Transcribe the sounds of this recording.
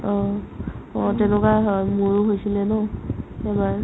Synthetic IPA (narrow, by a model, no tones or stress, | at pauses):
ɔ | ɔ̃tɛnʊkaɦɔjmuɹuɦojsilɛnʊɛbaɹ